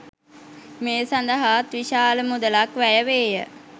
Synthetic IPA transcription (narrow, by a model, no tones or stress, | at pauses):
meːsand̪əɦat̪ʋiʃaːləmud̪əlakʋæjəʋeːjə̰